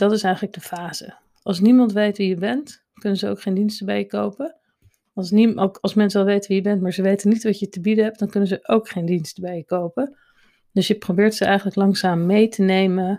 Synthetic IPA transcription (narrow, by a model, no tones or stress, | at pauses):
d̥ɑtɪsɛjχələɡ̚dəfaːzə̰ | ʔɑlˠsnimɑntʋejtʋijəbɛnt | kɵnənzəo̰wkχejndinstəbɛjəkowpə | ɑsniokɑlˠsmɛnsɛlˠʋejtʋijəbɛntmaːɹzəʋejtənitʋɑtjətəbidəɦɛp̚d̥ɑnkɵnəzəʔowkχejndinstəbɛjəkowpə | d̥øsjəprobɪːɹtsəɛjχənləklɑŋzaːmːejtʰənejmə